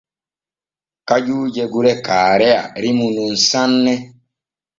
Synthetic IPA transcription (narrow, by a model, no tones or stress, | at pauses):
kad͡ʒuːd͡ʒɛɡuɾɛkaːɾɛa̰ɾimunun̩sanːɛ